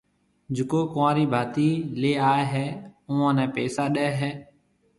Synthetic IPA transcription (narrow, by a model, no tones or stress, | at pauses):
d͡ʒɪkoːkãːɾiːbʱaːt̪iːleːaːeːɦɛːʊːãːnɛ̃ːpeːsaːɗeːɦɛː